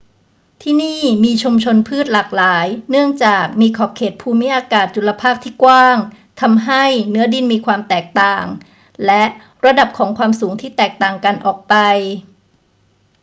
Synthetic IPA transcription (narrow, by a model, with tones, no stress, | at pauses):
t̪ʰiː˥˩niː˥˩miː˧t͡ɕʰu˧mt͡ɕʰo˧npʰɯː˥˩t̪̚laː˨˩k̚laː˩˦jnɯ˥˩əŋt͡ɕaː˨˩k̚miː˧kʰɔː˨˩p̚kʰeː˨˩t̪̚pʰuː˧mi˦˥ʔaː˧kaː˨˩t̪̚t͡ɕu˨˩la˧pʰaː˥˩p̚t̪ʰiː˥˩kwaː˥˩ŋ | t̪ʰa˧mɦa˥˩jnɯ˦˥ɐdi˧nmiː˧kʰwaː˧mt̪ɛː˨˩k̚t̪aː˨˩ŋ | lɛ˦˥ʔ | ɾa˧da˨˩p̚kʰɔː˩˦ŋkʰwaː˧msuː˩˦ŋt̪ʰiː˥˩t̪ɛː˨˩k̚t̪aː˨˩ŋka˧nʔɔː˨˩k̚pa˧j